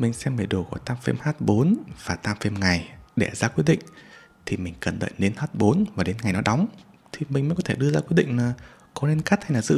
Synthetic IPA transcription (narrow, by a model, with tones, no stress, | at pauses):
mï˨˩ŋ̟sɛ˧mɓe˨˩ɗo˨˩kɔ˧˩t̪aː˧mfḛ˧mhaː˦˥t̚ɓo˨˦nv̥aː˨˩t̪aː˧mfe˧mŋa˨˩jɗe˧˩zaː˧kwi˦˥t̚ɗḭ̈˧˨ŋ̟ | t̪ʰi˨˩mï˨˩ŋ̟kə˨˩nɗə̰˧˨ne˧nhaː˦˥t̚ɓo˨˦nvaː˨˩ɗe˨˦nŋa˨˩jnɔ˨˦ɗɔ˨˦wŋ͡mt̪ʰi˨˩mï̟˨˩mə˨˦jkɔ˨˦t̪ʰe˧˩ɗɨ˧əzaː˧kwi˦˥t̚ɗḭ̈˧˨ŋ̟laː˨˩ | kɔ˨˦le˧nka˦˥t̚ha˧jlaː˨˩zɨ̰˧˥